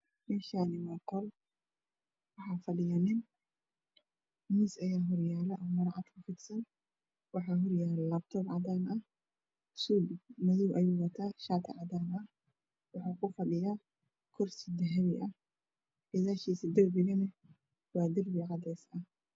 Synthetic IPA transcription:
mɛːʃaːnɪmɐqɔl | wɑħɑːfɐɖɪjanɪn | miːsɐjaːɦɔrjaːlɛʔɐːmɐɾɑʕʔɑd̪kʰʊfɪd̪sɐn | wɑħɑːɦɔrjaːlɛlɐbt̪ʰɔːbʕɑdaːnɐ | suːbmɐðuːwʔɐjuːwɐt̪ʰaːʃaːt̪ʰɐʕɑdaːnɐ | wɑħuːkʰʊfɐɖɪjaː | kʰɔrsɪd̪ɐɦɐβɪʔɐ | ʕɪðaːʃiːsɐd̪ɐrbɪɣɐnɐ | wɑːd̪ɐrbɪʕɑd̪ɛːsɐh

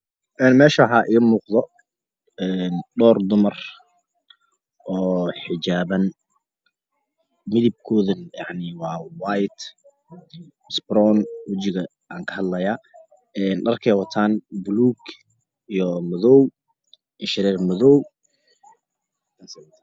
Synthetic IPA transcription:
ʔɛːnmɛːʃɐħaːʔiːmuːqðɔ | ɛnɖɔːrd̪ʊmɐr | ʔɔːħɪd͡ʒaːβɐn | mɪðɪb̚kʰɔːðɐnjɑʕnɪwɑːwajt̪ | sbrɔnwɐt͡ʃɪɣɐ | aːŋkʰɐhɐd̪lɐjaː | ɛːnɖɐrkʰɛːjwɐt̪ʰaːnbʊluːɡ | ijɔmɐðɔw | ʔɪʃɪɾɛːrmɐðɔːw

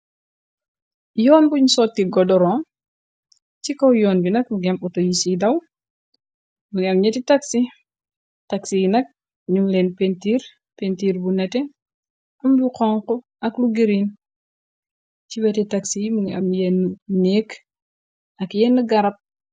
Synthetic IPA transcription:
jɔːnbuɲsɔt̚kiɡɔdɔɾɔm | t͡ʃikɔwjɔːnbinɐk̚muɡɛmɔtojisidaw | muŋamɲɛtitaksi | taksijinɐk̚ | ɲuŋlenpentiɾ | pentiɾbunɐtɛ | ɐmduqɔŋqɔ | ɐkluɡiɾin | t͡ʃiwɛtɛtaksijimuɡa̰mjɛnːuneːk | ɐkjɛnːuɡɐɾɐp̚

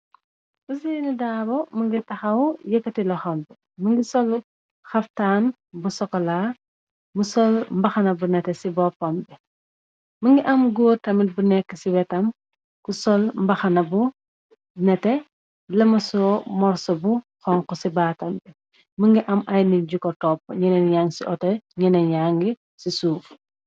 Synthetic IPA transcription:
busiːnidaːbɔmɐŋɡitɐxɐwjɐkːɐtilɐxɔmbɛ | məŋɡisɔl | xɐftaːn | busɔkːɔlaː | musɔlmbɐxɐnɐbunɛtɛsibɔfɔmbɛ | məŋɡiʔɐmɡoːrtɐmit̚bunɛkːəsiwɛtɐm | kusɔlmbɐxɐnɐbu | nɛtɛ | lɐmɐsɔmɔɾsɔbuxɔŋkusibaːtɐmbɛ | məŋɡiʔɐmʔɐjniɟukːɔtɔːpːɲɛnɛnjaːŋɡsiʔɔtɐɲɛnɛɲaːŋɡi | sisuːf

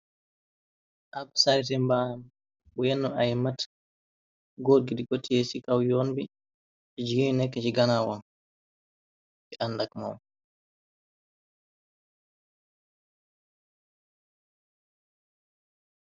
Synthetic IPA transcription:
ʔakɔ̥saɾitɛmbanam | bɔjɛnːɔʔajɛmat | ɡoɾɡidiɡotːijesikawjonbi | ɛd͡ʒiɡinɛkːɛd͡ʒiɡanawɔn | ʔɛʔanːdakma̰m

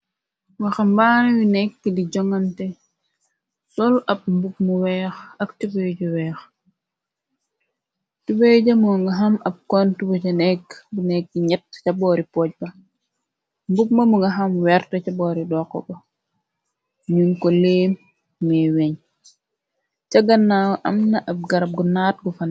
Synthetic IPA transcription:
wɐxɐmbanɛwinɛkːidiɟɔŋɐntɛ | sɔlɐb̚mbup̚muwɛːxɐktubejɟuwɛːx | tubeɟɐmuŋɡɐɦɐmɐb̚kɔntubɐcɐnɛkːbunɛk̚ːɲɛt̚cɐbɔːɾipɔːc̚bɐ | mbup̚mɐmuŋɡɐɦɐmwɛɾtɐcɐbɔːɾidɔːkːɔ̰bɐ | ɲunkɔleːm | ŋɛwɛɲ | cɐɡɐnːawʔɐmnɐʔɐb̚ɡɐɾɐp̚ɡunaːt̚ɡufɐn

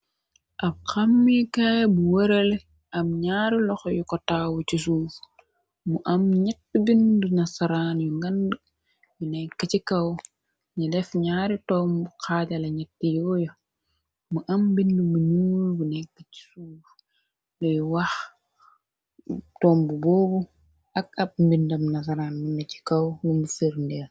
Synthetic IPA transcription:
ʔɐb̚kɐmːikaːjbuwɐɾel | ʔɐmɲaːɾilɔxjukɔtawucisuːf | muʔɐmɲɛtːbindunɐsɐɾaːnjuŋɡɐndə | junɛkːɐt͡ʃikɐw | ɲilɛfɲaːɾitɔːmbuqaːtɐlɐɲɛtːijɔːjɔ | muʔɐmbindumunuːlbunɛkːəci̥suːf | lɔjuwɐx | tɔːmbubɔːbu | ʔɐkɐp̚mbindɐmnɐs̬aɾaːnminːɐci̥kɐwwumbufɛɾndɛl

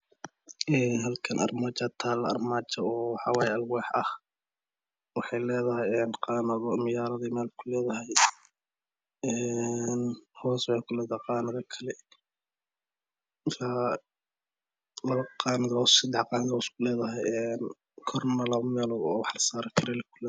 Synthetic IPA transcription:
ɛːnɦɐlkʰɐnʔɐ̰rmaːt͡ʃɐt̪ʰaːlɐ̰rmaːt͡ʃɐɔːħɑwɑːjɐlwɑːħʔɐh | wɑħɑjlɛːðɐɦɛjɛːnqɑːnɐðɔmɪjaːɾɐðimɛːlkʰʊlɛːðɐɦɛj | ɛnhɔːswɑħekʰʊlɛːðaqɑːnɐðɐkʰɐlɛ | sa | lɐβɐqɑːnɐðɔsɪd̪ɛħqɑːnɐðɔskʊlɛːðɐɦɛjɛn | kʰɔrnɐlɐmɛːlɔɔ̰ːwɑħlɐsaːɾɪkʰɪɾɛlɛkʰʊlɛ

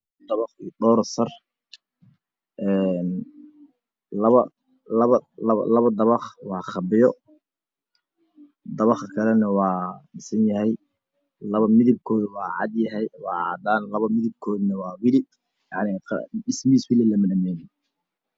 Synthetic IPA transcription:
d̪ɐβɑχid̪ɔːɾsɐr | ʔɛːn | lɐβɐ | lɐβɐlɐβɐ̰lɐβɐd̪ɐβɑχwɑːχɑbɪjɔ | d̪ɐβɑχkʰɐlɛnɐwɑːɖɪsɐnjɐɦɛj | lɐβɐmɪðɪb̚kʰɔːðʊwɑːʕɑ̰d̪jɐɦɛjwɑːʕɑ̰d̪aːnlɐβɐmɪðɪb̚kʰɔːðnɐwɑːwɪlɪ | jɑʕnɪqɖɪsmiːswɪlɪlɐmɪnɐmɛːn

